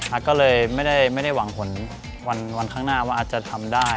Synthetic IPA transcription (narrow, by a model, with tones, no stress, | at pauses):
ʔaː˨˩t̪̚kɔː˥˩lɤː˧jma˥˩jda˥˩jma˥˩jda˥˩jwa˩˦ŋpʰo˨˩˦n | wa˧nwa˧nkʰaː˥˩ŋnaː˥˩waː˥˩ʔːt̪t͡ɕa˨˩t̪ʰa˧mdaː˥˩